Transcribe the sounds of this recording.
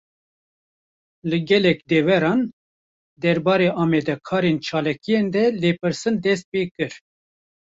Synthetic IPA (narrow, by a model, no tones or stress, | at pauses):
lɨɡɛlɛkd̪ɛvɛɾɑːn | d̪ɛɾbɑːɾeːɑːmɛd̪ɛkʰɑːɾent͡ʃʰɑːlɑkijend̪ɛleːpɨɾsɨnd̪ɛst̪̚peːkɨɾ